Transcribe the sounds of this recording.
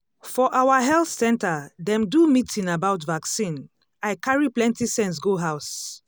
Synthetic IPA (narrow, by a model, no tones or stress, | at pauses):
fɔʔawaɦɛlθsɛ̃ntadɛ̃mdumitĩnabaʊtvaksĩn | aɪkaɹiplɛ̃ntisɛ̃ns̬ɡoɦaʊs